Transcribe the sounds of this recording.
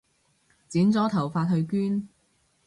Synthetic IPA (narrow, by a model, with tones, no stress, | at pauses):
t͡siː˨˥nt͡sɔː˨˥t̪ʰɐ˨˩wfaː˧t̚hɵ˧ɥkyː˥n